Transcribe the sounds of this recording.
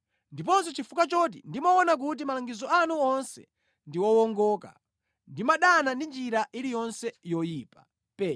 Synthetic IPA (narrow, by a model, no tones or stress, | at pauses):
ndip̬ɔns̬ɔt͡ʃifukat͡ʃɔt̬indimɔɔnak̬ut̬imalaŋɡizɔanuɔnsɛ̰ | ndiwɔwɔŋɡɔːka̰ | ndimaɗanandind͡ʒiɾaʔilijɔnsɛjɔjiːpa | pɛː